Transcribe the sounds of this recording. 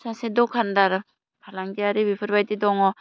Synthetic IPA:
sasedɔkʰandaɾa | pʰalaŋɡiaɾibipʰɯɾbajtidɔŋɔ

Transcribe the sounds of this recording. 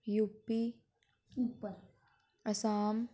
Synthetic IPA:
juːpːi | upəɾ | ɐsaːm

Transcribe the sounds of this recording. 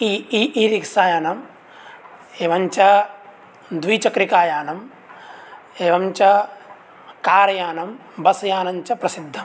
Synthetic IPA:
iiiːɾiksaːjaːnɐm | eːʋɐɲt͡ʃɐ | d̪ʋiːt͡ʃɐkɾikaːjaːnɐm | eːʋɐmt͡ʃɐ | kaːɾɐjaːnɐm | bɐsɐjaːnɐɲt͡ʃɐpɾɐsid̪ʱːɐm

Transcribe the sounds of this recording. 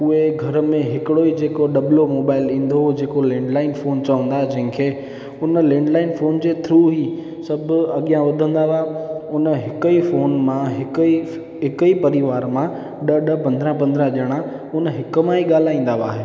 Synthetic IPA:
ʊɦeɡʱɐɾmẽɦɪkɪɽoid͡ʑeːkoɗɐblomoːbaːɪlĩːn̆d̪od͡ʑeːkolẽːɳɖlaːɪnfoːnt͡ɕɐʋə̃nd̪aːɦed͡ʑɐ̃ɦɪ̃kʰeː | ʊnəlẽːɳɖlaːɪnfoːnd͡ʑeːt̪ʰɾuːɦi | sɐbʱʊɐɠijãʋɐd̪ʱə̃nd̪aʋaʊnəɦɪkəifoːnmãɦɪki | ɦɪkipɐɾiʋaːɾmã | ɗəɗəpɐ̃nd̪ɾãpɐ̃nd̪ɾãʄəɽ̃ã | ʊnəɦɪkmãɦiɠaːl̤aːĩːn̆d̪aʋa̰ːɦeː

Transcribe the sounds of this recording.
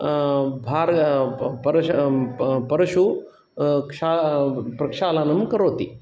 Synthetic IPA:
bʱaːɾpɐɾɐ | pɐɾɐʃu | kʂaːpɾɐkʂaːlaːnɐmkɐɾoːt̪i

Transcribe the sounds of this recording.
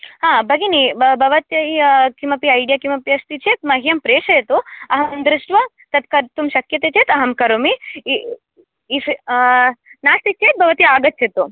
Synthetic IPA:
hãːbʱɐɡinibʱɐʋɐt̪jɐikimɐpiɐjɖijaːkimɐpiɐst̪it͡ʃʰeːt̪̚mɐɦjɐmpɾeːʃɐjɐt̪uɐɦɐmɐnd̪ɾuʂʈʋɐ | t̪ɐt̪kɐɾt̪umʃɐkjɐt̪eːt͡ʃʰeːt̪ɐɦɐmkɐɾomi | is | naːst̪ik̚t͡ʃʰeːt̪̚bʱɐʋɐt̪iaːɡɐt̪̚t͡ʃʰeːt̪u

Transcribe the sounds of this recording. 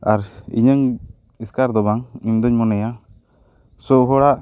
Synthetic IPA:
aɾḭɲəŋ | iskaɾd̪ɔbaŋimd̪ɔɲmɔnɛja | sɔɦɔɽaʔ

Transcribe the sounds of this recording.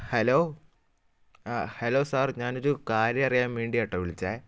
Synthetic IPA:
heloː | heloːsaːrɲaːnoɾukaːɾjɐɐrijaːmʋeːɳɖijɐʈːɐʋiɭit͡ɕːaː

